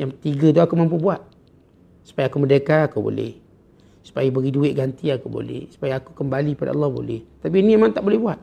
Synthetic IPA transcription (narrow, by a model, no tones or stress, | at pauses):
jaŋt̪iɡat̪uakumampubuat̪̚ | su̥pajakumədəkaːkubo̰lɛ̰h | su̥pajabəɣiduɪʔ̪̚ɡant̪iakubo̰lɛ̰hsu̥pajaakukəmbaliəpada̰lːɑhbo̰lɛht̪ap̬iːnĩjamant̪aʔbolɛhbuat̪̚